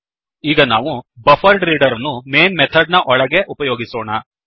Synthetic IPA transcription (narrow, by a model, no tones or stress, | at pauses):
iːɡɐnaːʋubɐfʰɐɾɖɾiːɖɐɾɐnːumeːnmɛt̪ʰɐɖ̚nɐʔɔɭɐɡe̞ʔupɐjoːɡisoːɳɐ